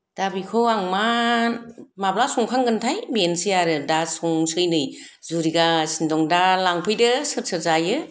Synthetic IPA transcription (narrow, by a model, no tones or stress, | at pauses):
d̥abikʰɔwaŋma | mablasɔŋkʰaŋɡɯntʰajbensɯjaɾɯdasɔŋsɯjnɯjzuɾiɡasindɔŋdalaŋpʰɯjdɯsɯɾsʰɯɾzajɯ